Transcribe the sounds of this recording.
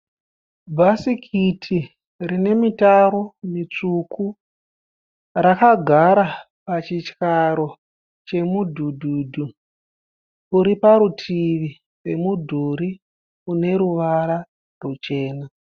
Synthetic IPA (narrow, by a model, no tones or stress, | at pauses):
bʱasikʰitʰi | rine̞mitaɾo̞mit͡ʂukʰu | rakaɡʱaɾa | pat͡ʃit͡ʃkaɾo̞ | t͡ʃe̞mudʱudʱuːdʱu | uɾipaɾutʰiʋi | we̞mudʱuɾi | une̞ɾuʋaɾa | rut͡ʃe̞ːna